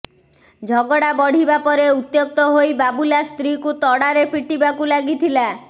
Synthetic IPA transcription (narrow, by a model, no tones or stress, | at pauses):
d͡ʒʱɔɡɔɽabɔɽ̤ibapɔɾeut̪jok̚t̪ɔɦojbabulast̪ɾikut̪ɔɽaɾepiʈibakulaɡit̪ʰila